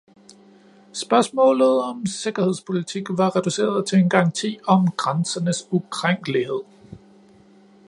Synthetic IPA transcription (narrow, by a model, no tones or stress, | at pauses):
sb̥ɶɐsmɔ̰̽ːlð̩ˠɒ̽mse̝ɡ̥ɐhe̝ð̞̰ˠspʰo̝lit͡sʰiɡ̥ʋɑ̈ʁɛd̥use̝̰ːɐðˠt͡sʰe̝e̝nɡ̥ɑ̈ŋt͡sʰḭːɒ̽mɡ̥ʁansɐnəsukʰʁaŋ̰ɡ̥əlihe̝ð̞̰ˠ